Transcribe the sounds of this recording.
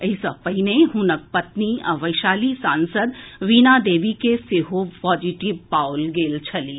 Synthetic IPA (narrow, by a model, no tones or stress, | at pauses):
ɐisɐpɐineɦʊnək̚pɐt̪niɐʋəɪʃaːlisãːnsəd̪ʋiːnaːd̪eːʋikeseːɦopɔːd͡ʒiʈɪʋpaːʊlɡeːlt͡ʃʰɐliː